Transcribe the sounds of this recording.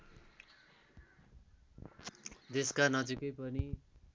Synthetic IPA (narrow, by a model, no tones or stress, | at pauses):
d̪eskanʌd͡zikʌjpʌni